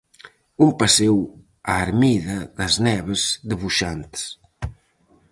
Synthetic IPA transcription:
umpasew | aːɾmiðɐðəznɛβəzðəβuʃant̪s

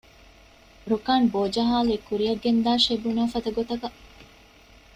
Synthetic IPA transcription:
ɾukaːnboːd͡ʒɐɦaːluekuɾiɐɡend̪aːʃebunaːfɐd̪ɐɡot̪ɐkɐ

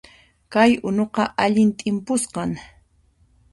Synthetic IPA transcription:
kajʊnoqɑʔaʎɪnt̪ʼɪmpʊsqɑŋ

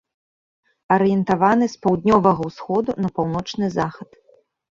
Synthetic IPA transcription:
ɐɾɨjɛnt̪avanɨspawd̪nʲɔvɐɣɐwsxɔd̪unɐpawnɔt͡ʂnɨzaxɐt̪

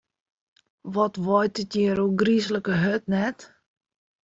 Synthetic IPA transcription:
ʋɔtʋɔjtətjiːɾuɡrisləkəɦøtnɛt

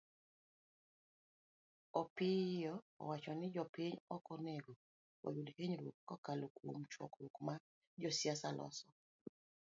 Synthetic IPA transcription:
ɔpɪjɔ̰ːwat͡ʃɔnɪd͡ʒɔpiɲɔkɔnɛɡɔ | wɔ̰judkeɲɾwokːɔkalokomt͡ʃwɔ̰kɾwokma | d͡ʒɔsiasalʔɔ̰sɔ

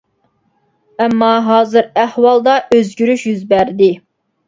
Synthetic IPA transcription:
ɛmːɑɦɑːzɨɾæhwɑlˠd̪ɑʔøzɡʲyɾyʃjyzbæɾd̪ɪ

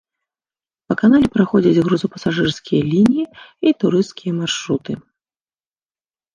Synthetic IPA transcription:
pɐkanalʲɛpɾaxɔd͡zʲɐd͡zʲɣɾuzɐpɐsaʐɨrskʲijɐlʲinʲijiit̪uɾɨst̪kʲijɐmarʂɾut̪ɨ

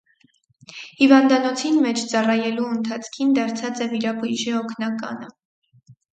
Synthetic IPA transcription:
hivɑnd̪ɑnɔt͡sʰinmɛt͡ʃʰt͡sɑrɑjɛluənt̪ʰɑt͡sʰkʰind̪ɑɾt͡sʰɑt͡sɛviɾɑbujʒiɔkʰnɑkɑ̰nə

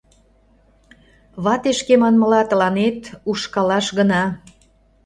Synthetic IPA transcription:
βɑt̪eʃkemɑnmə̆lɑt̪əlɑnet̪uʃkɑlɑʃɣənɑ

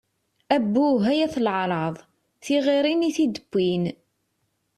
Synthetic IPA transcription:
æbːuɦæjæθlʕɾˤɑðˤ | θiʁiɾiniθid̪əbːin

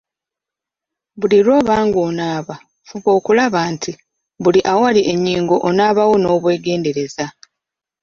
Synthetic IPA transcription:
βuliɾo̞ːβaːŋɡoːnaːβa | fuβo̞ːkulaβaːntʰi | βuliʔawaliʔe̞ɲːiːŋɡo̞ʔonaːβawo̞no̞ːβwe̞ːɡe̞ːnde̞ɾe̞za

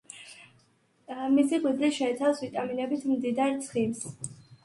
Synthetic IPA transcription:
misikʼwid̪liʃɛɛt̪sʰafsvit̪ʼaminɛbit̪ʰmd̪id̪aɾt̪sʰχims

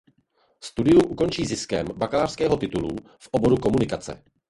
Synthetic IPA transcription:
fst̪udɪumʔuko̞nt͡ʃiːzɪskɛ̰mbakalaːr̥skɛːɦo̞t̪ɪt̪ulṵ | fʔobo̞ɾuko̞munɪkat͡sɛ̰

